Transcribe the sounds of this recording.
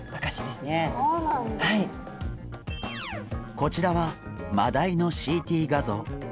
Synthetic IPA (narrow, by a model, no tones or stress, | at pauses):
βakaɕid̪esɨneonahai | ko̞t͡ɕiɾaβama̰d̪aino̞ɕiːt̪ʲiːɡazo̞̰ː